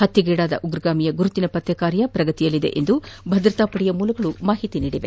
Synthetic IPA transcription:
hɐt̪ːjiɡɛːɽaːd̪ɐ̰ʔuɡɾɡaːmijɐɡuɾut̪inɐpɐt̪ːɛkaːɾjɐpɾɐɡɐt̪ijɐlːid̪ḛʔend̪ubʱɐd̪ɾɐt̪aːpɐɽijɐmuːlɐɡɐɭumaːɦit̪iniːɽiʋe

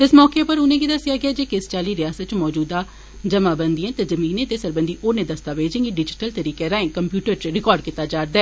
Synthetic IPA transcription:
ɪsmɔːkeːpəɾʊnẽːɡid̪əsɪjaːɡɪaːd͡ʒeːkɪst͡ʃaːliːɾɪjaːsət̪̚t͡ʃmɔːd͡ʒuːd̪aː | d͡ʒəmaːbənd̪ĩɛ̃ːt̪ezəmiːnẽt̪eːsəɾbənd̪iːʔoːnẽːd̪əst̪aːʋeːd͡ʒɪ̃ŋɡiɖɪd͡ʒɪʈəlt̪əɾiːkeːɾãːẽːkəmpjuːʈəɾt͡ʃɾɪkɔːɾɖkiːt̪aːd͡ʒaːɾd̪aɛː

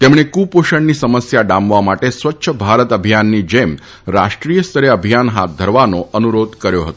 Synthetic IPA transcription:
t̪emɽ̃ekupoɕəɳniːsəməsjaɖamʋamaʈesʋətːɕʰəbʱaɾət̪əbʱijanːiːd͡ʑem | ɾaʂʈɾijəst̪ʰəɾeəbʱijanɦat̪̚d̪ʱəɾʋanoʔənuɾod̪ʱkəɾjoɦət̪oo

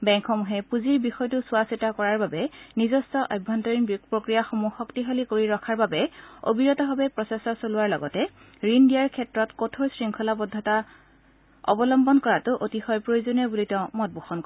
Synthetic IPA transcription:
bɛŋkʰxɔmuɦɛpuziɹbixɔjtʊsʊasitakɔɹaɹbabɛnizɔstɔʔajbʱɔntɔɹinbpɹokɹijaxomuxɔktiɦolikoɹiɹɔkʰaɹbabɛo̰biɹɔtɔɦɔbɛpɹɔsesɔsolʊwaɹlɔɡɔtɛ | ɹindijaɹkʰɛtɹɔtkotʰoɹsɹiŋkʰɔlabɔdʱːɔta | ɔ̰bɔlɔmbɔnkɔɹatʊʔotixɔjpɹojozonijɔbulitɛ̃mɔt̚buxɔnkɔ

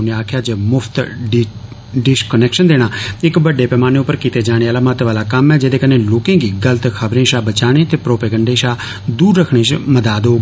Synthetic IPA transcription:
neːaːkʰjaːd͡ʒeːmʊpʰt̪ | ɖɪskənɛːkʃənd̪eːɽ̃aːɪkbəɖːeːpɛːmaːneːʊpːəɾkiːt̪eːd͡ʒaːɽ̃eːaːlaːmət̪ʋaːlaːkəmɛːd͡ʒeːd̪eːkəneːloːkẽːɡiːɡələt̪kʰəbɾẽːʃaːbət͡ʃaːɽ̃ẽːt̪eːpɾoːpeːɡəɳɖeːʃaː | d̪uːɾːəkʰɽ̃ẽːt͡ʃməd̪aːd̪oː

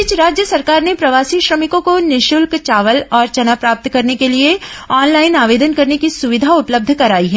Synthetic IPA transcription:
ɪt͡ʃɾaːd͡ʒjəsɐɾkaːɾnepɾɐʋaːsiʃɾɐmɪkõkonɪʃʊlkt͡ʃaːʋəlɔːɾt͡ʃɐnapɾaːp̚t̪kɐɾnekelieɔːnlaːɪnaːʋeːd̪ənkɐɾnekisʊʋɪd̪ʱaʊpləb̚d̪ʱkɐɾaːiɦɛ

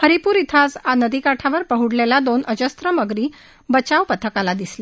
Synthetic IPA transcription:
həɾipuːɾit̪ʰasanəd̪ikaʈʰaʋəɾpəɦuɽlelad̪onəd͡ʑəst̪ɾəməɡɾiː | bət͡ɕaʋpət̪ʰəkalad̪isle

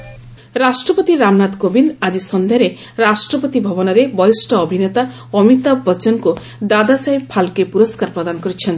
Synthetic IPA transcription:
ɾasʈɾɔpɔt̪iɾamnad̪kobind̪ad͡ʒisɔnd̪ʱeɾe | ɾasʈɾɔpɔt̪ibʱɔbɔnɔɾebɔisʈʰɔːbʱinet̪a | ɔmit̪abbɔt͡ʃɔnku | d̪ad̪asaibpʰalkepuɾɔskaɾpɾɔd̪anɔkɔɾit͡ʃʰent̪i

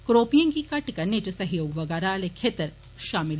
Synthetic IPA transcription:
kɾoːpijɐ̃ŋkikɐʈkɐɾnet͡ʃusɐɦjoːɡʋɐɡɐɾaːlekʰeːt̪əɾ | ʃaːmil

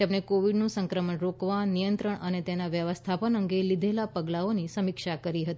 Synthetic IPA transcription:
amɳekoʋiɖnũsəŋkɾəməɳɾokʋanijənt̪ɾəɳənet̪enaʋjəʋəst̪ʰapənəŋɡelid̪ʱelapəɡlaonisəmikʃakəɾiɦət̪i

